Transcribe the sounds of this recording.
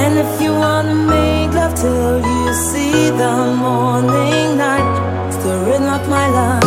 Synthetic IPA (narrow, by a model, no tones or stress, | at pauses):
ɨ̃nɪfjɨwɑ̃nɨmeɪklʌv̥tʰɪ | lˠjɨ | siðəmɔɹnɪ̃ŋnaɪt̚ | sðəɹɪdⁿn̩laɪk̚maɪla